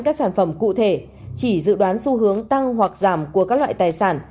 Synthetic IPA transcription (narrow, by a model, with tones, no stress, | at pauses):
kaː˦˥k̚saː˧˩nfə˧˩mkṵ˧˨t̪ʰe˧˩ | t͡ɕi˧˩zɨ̰˧˨ɗwaː˨˦nsu˧ɦɨ˨˦əŋt̪a˧ŋɦwa˨˩k̚zaː˧˩mku˧˩əkaː˦˥k̚lwa̰ː˧˨jt̪aː˨˩jsaː˧˩n